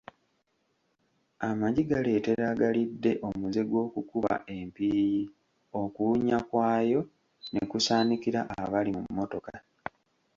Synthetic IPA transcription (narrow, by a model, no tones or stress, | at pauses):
amaɟiɡale̞te̞ɾaɡalidːe̞ʔo̞muze̞ɡwo̞ːkukuβa̰ʔe̞mpiːji | o̞kuːɲakwaːjo̞ | nekusaːnikiɾaʔaβalimṵmːo̞to̞ka